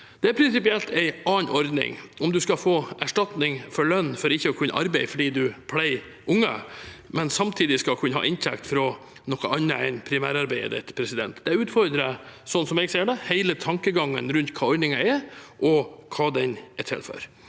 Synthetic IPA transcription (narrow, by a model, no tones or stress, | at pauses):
d̪̥ɛæɾpʰɾɪnsɪpɪɛlt̪ʰæɪʔɑːnʔɔɾd̪nɪ̰ŋɔmd̪ʉskɑfoːʔæʂʈɑt̪nɪŋfɔɭœnːfɔɾɪçːəɔkʰʉnːə̰ʔɑɾbɛɪfɔɖiːd̪ʉpʰlæɪ | ʔʊŋːə̰mɛnsɑmt̪ʰiːd̪ɪskɑlkʰʉnːəhɑ̰ːʔɪnt̪ʰɛkt̪fɾɔ | nɔkəɑnːə̰ɛ̰npʰɾɪmæ̰ːɾɑɾbæɪə̰d̪ɛ̰t̪pʰɾɛsɪd̪ɛ̰nt̪d̪ɛʉːt̪fɔɾd̪ɾəsɔnːsɔmɛːɡseːɖɛhæɪlət̪ʰɑŋkəɡɑŋːə̰nɾʉnt̪kʰɑːɔɾd̪nɪŋɑɛʔɔkʰɑːd̪ɛnɛt̪ʰɪ̰lfɔ̰ɾ